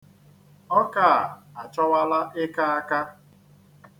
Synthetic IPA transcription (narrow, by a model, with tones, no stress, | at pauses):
ɔ˦ka˦˨a˨t͡ʃɔ˦wa˦la˦ʔɪ˦ka˦a˦ka˦